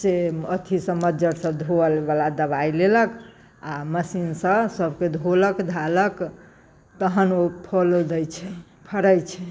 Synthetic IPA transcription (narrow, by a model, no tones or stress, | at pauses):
seət̪ʰisə̃məd͡ʒəɾsəbd̪ʱoəlbalad̪əbailelək | aməsinsə̃səbʱked̪ʱoləkd̪ʱalək | t̪əɦənopʰəld̪əjt͡ʃʰɛ | pʰəɾəjt͡ʃʰɛ